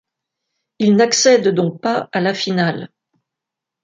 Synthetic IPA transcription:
ilnaksɛd̪d̪ɔ̃k̚paalafinal

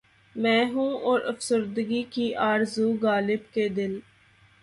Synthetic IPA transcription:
mɛ̃ːɦũːoːɾəfsəɾd̪əɡiːkiːʔaːɾzuːɡaːlɪbkeːd̪ɪl

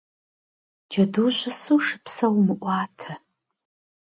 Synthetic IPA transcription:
d͡ʒɐduʃʷɨsuʂɨpʰsɐwmɨʔʷaːtʰa

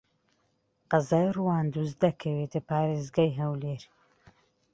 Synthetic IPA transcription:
qɑzaːjruwaːnd̪uzd̪ɐkʰɐwet̪ɨpaːɾeːzɡaːjɦɐwleːɾ

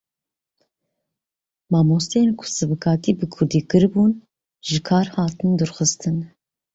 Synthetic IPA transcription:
mɑːmost̪enkʰʊ̥sɨbɨkʰɑːt̪iːbɨkʰʊɾd̪iːkɨɾbuːn | ʒɨkʰɑːɾhɑːt̪ɨnd̪ɨɾxɨst̪ʰɨn

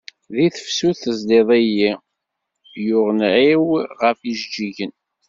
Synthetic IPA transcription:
ðiθəfsuθəzleðˤæji | jʊʁənʕiwʁəfiʒd͡ʒiʝən

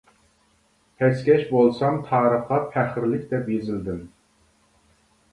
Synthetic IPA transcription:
t̪ʰɛskʲɛʃbolˠsɑmt̪ʰɑːɾəχɑpʰæχɾlɪkʲd̪ɛpjezɪld̪ɪm

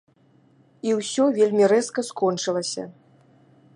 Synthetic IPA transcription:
iwsʲɔvʲelʲmʲiɾɛskɐskɔnt͡ʂɨlˠɐsʲɐ̰

